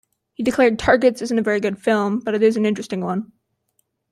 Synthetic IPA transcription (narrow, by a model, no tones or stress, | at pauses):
hidɨkʰl̥ɛɹd̚tʰɑɹɡɨtsɪzntɨvɛɹiɡʊd̥fɪlˠmb̥ʌɾɨɾɨzn̩ɪ̃nt͡ʃɹ̥ɨstɪ̃ŋwʌ̃n